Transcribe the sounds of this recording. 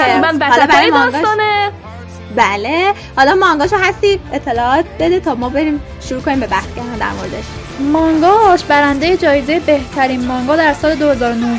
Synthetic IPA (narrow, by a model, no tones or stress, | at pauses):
mænvæhɒlɒbæɾemdɒɡɔne | bæle | hɒlɒmɒŋɡɒːʃoɦæst̪iːet̪ʰːe̞lɒːɒːt̪̚ʰbe̞d̪et̪ʰɒːmɒːbe̞ɾiːm | ʃuɾuːkʰoniːmbe̞bæxsɡeɦænd̪æ̰ɾmoɾed̪eʃ | mɒŋɡɒːʃbæɾænd̪ejed͡ʒɒːjezejebeht̪ʰæɾiːnmɒŋɡɒːd̪æɾsɒːled̪ohe̞zɒːɾonoz